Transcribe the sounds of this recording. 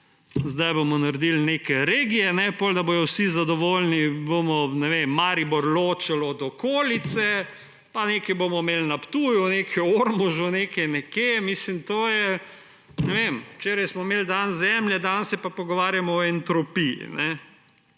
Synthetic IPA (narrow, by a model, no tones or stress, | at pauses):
zd̪ajbomɔnaɾd̪ilnekɛɾeːɡijɛnɛpoːld̪ɐboːjɔwsizad̪ɔʋoːlnibomɔnɛʋemːaːɾibɔɾloːt͡ʃɛlɔd̪ɔkoːlit̪sɛ | panekibomɔmelnapt̪uːjuneːkʰɛoɾmɔʒɔnekɛjnɛkemiːslimt̪oːjɛ | nɛʋemwt͡ʃeːɾajsmɔmeld̪anzɛmljɛd̪ansɛpapɔɡɔʋaːɾjamɔɔɛnt̪ɾɔpiḭnɛ